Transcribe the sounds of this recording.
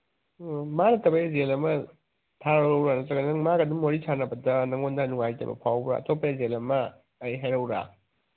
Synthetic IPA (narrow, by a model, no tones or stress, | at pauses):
manɐtɐbajɐzelɐmɐ | tʰaɾɐɾɐwɾanɐtɐɡɐnnɐŋmaɡɐdumːoɾisʰanɐbɐdɐnɐŋondɐnuŋajtɐ̰bɐ̰pʰawbɾa̰ɐ̰topːejazelɐmɐː | jɦajɾɐwɾa̰